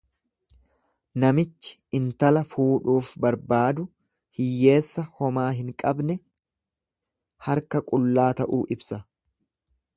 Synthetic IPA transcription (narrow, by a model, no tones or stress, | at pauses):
nɐmɪt͡ʃːɪ̥ | ɪnt̪ɐlɐfuːᶑuːfbɐɾbaːd̪ʊ | hɪjːe̞ːsːɐhɔmaːɦɪŋkʼɐbnɛ | hɐɾkɐkʼʊlːaːt̪ɐʔuːʔɪbsɐ